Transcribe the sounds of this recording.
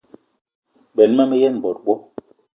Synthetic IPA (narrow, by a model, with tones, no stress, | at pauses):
ɓɛ˨lma˦mɛ˦jɛ˦˨n˨bɔ˨t̚ɓɔ˦